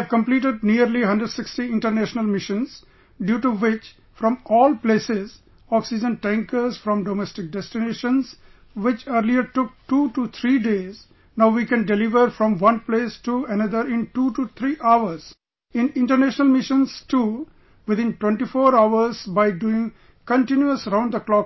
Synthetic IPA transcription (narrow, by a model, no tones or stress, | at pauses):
ɛʋkə̃mpliːʈeɖ̚niəɾliɦʌ̃ɳɖɾəɖsɪksʈiɪ̃ɳʈəɾnæʃnəlmɪʃə̃nz | ɖjuːʈuʋɪt͡ʃ | fɾɔ̃mɔːlpleːsɪz | ɔksɪd͡ʒə̃nʈæ̃ŋkəzfɾɔ̃mɖomɛsʈɪk̚ɖɛsʈɪneːʃə̃nz | ʋɪt͡ʃəɾliəɾʈʊk̚ʈuːʈut̪ʰɾiːɖeːz | naʊʋiːkɛ̃nɖelɪʋəɾfɾɔ̃mʋʌ̃npleːsʈuənʌd̪əɾɪ̃nʈuːʈut̪ʰɾiːʔaʊəɾz̥ | ɪ̃nɪ̃ɳʈəɾneʃnəlmɪʃə̃nsʈu | ʋɪd̪ɪ̃nʈwẽɳʈifoːɾaʊəɾzbaɪɖuɪ̃ŋ | kə̃ɳʈɪ̃njuəsəɾãʊ̃ɳɖd̪əklɔːk